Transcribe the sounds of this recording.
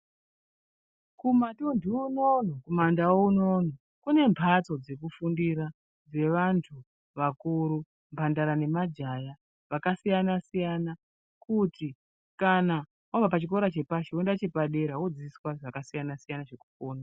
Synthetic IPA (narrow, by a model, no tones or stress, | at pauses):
kumatundʱuunon̤okomandawouno̞n̤o | kune̞mpʰat͡so̞d͡ze̞k̬ufundiɾa | d͡ze̞ʋantʰu | ʋakuɾu | mpʰandaɾane̞mad͡ʒaja | ʋakasijanasijana | kuti | kana | woʋapat͡ʃik̬o̞ɾat͡ʃe̞paʃeondat͡ʃe̞paɗe̞ɾawod͡ziiswaʐakasijanasijanaʐeku̥foːna